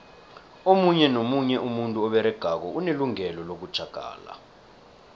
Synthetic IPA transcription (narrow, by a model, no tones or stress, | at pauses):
omuɲɛnomuɲɛʔumuntʼuɔɓɛɾɛɡ̥ʱak̬ɔʔuneluŋɛlɔlok̬ud̥ʒ̥ʱaɡ̥ʱa̰ːla̰